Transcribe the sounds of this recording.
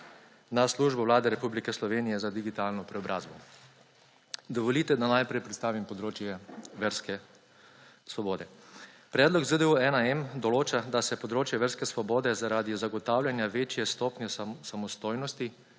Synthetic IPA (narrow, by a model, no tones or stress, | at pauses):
nasluːʒbɔwlaːd̪ɛɾɛpublikɛslɔʋeːnijɛzad̪iɡit̪aːlnɔpɾɛɔbɾʔaːzbɔ | d̪ɔʋɔliːt̪ɛd̪anajpɾɛjpɾɛt̪st̪aːʋimpɔd̪ɾoːt͡ʃjɛʋɛɾskɛ | sʋɔboːd̪ɛ | pɾɛːd̪lɔkzəd̪euɛnaɛmd̪ɔloːt͡ʃad̪asɛpɔd̪ɾoːt͡ʃjɛʋəɾskɛsʋɔboːd̪ɛzaɾaːd̪izaɡɔt̪awlʲjanjaʋeːt͡ʃjɛst̪oːpnʲjɛsamɔst̪oːjnɔst̪i